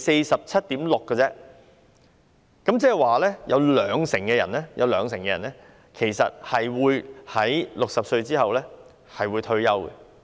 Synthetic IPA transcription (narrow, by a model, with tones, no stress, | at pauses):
se˧jsɐ˨p̚t͡sʰɐ˥t̚t̪iː˨˥mlʊ˨kːɛ˧t͡sɛː˥ | kɐ˨˥mt͡sɛː˥˨jwaː˨˩lɛː˥jɐ˨˧wlœː˨˧ŋsɪ˨˩ŋkɛ˧jɐ̰˨˩nɛː˥jʔɐ˨˧wlœː˨˧ŋs̬ɪ˨˩ŋkɛ˧jɐ˨˩nlɛː˥ | kʰe˨˩jsɐ̰˨t̚hɐ˨jwuː˨˧jhɐ˨˥jlʊ˨k̚sɐ˨p̚sɵ˧ɥt͡siː˥hɐ˨wlɛː˥ | hɐ˨jwuː˨˧jt̪ʰɵ˧˥ɥjɐ˥wkɛ̰˧